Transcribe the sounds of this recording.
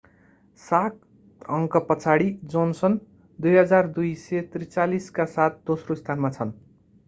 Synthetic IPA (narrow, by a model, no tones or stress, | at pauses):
sak | ʌŋkʌpʌt͡sʰaɽid͡zonsʌn | d̪ujɦʌd͡zard̪ujsʌt̪rit͡saliskasat̪̚ʰd̪osroist̪ʰanmat͡sʰʌn